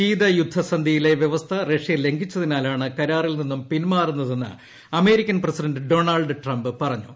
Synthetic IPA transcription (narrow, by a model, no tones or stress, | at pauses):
iːd̪ɐjud̪ʱːɐsɐnd̪ʱijile̞ʋje̞ʋɐst̪ʰɐre̞ʂijɐle̞ŋɡʱit͡ɕːɐðinaːlaːɳɨkɐɾaːrilninːumpinmaːrunːɐðe̞nːɨ̰ | ɐme̞ːɾikʲːɐnpresidɐnɖɨɖo̞ːɳalɖɨʈrɐmbɨpɐrɐɲːṵ